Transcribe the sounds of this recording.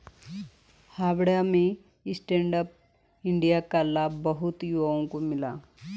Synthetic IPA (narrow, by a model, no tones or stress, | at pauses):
haːbɽjamẽ | ɪsʈẽːɳɖəp̚ | ɪ̃ɳɖijakalaːbːɐɦʊt̪juʋaõkomɪla̰ː